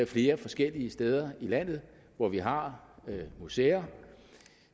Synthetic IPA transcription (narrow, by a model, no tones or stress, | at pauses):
fle̝ːɐfɒ̽sɡ̥el̰iəsd̥eːð̞ˠɐilæn̰ð̞̩ˠ | ʋɒʋiɦɑ̈ | museːɐ